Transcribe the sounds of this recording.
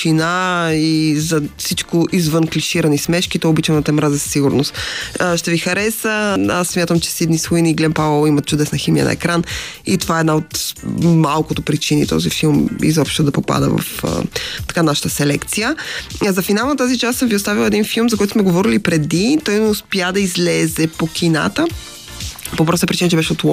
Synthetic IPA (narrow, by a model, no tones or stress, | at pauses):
inaizɐfsit͡ʃkʊʔizvənkliʃiɾɐnismɛʃk̟it̪ɔobit͡ʃɛnɐt̪ɛmɾazɐssiɡʊɾnʊst̪ːʃt̪ɛvixɐɾɛsəasːmʲjat̪əmt͡ʃɛ̥sid̪nisvujniːɡlɛmpavəlˠimɐt̪̚t͡ʃʊd̪ɛsnɐximijə̰nɐ̰ɛ̰kɾanḭt̪ovaɛɛd̪naot̪malˠkʊt̪opɾit͡ʃinḭt̪ɔ̰zifilˠmḭzɔpʃt̪od̪ɐpopa̰d̪ə̰vɐ̰fə̰t̪ɐ̥kanaʃə̥t̪əsɛlɛkt̪sijəzɐfinalˠnɐt̪azit͡ʃasəmviʊst̪avilˠɛd̪infilˠmzɐkɔjt̪ʊsmɛɡovɔɾilipɾɛd̪it̪ɔjnɛʊspjad̪ɐizlɛzɛpok̟ʰʲina̰t̪ə | popɾɔsəpɾit͡ʃinət͡ʃɛbɛʃɛot̪ɔ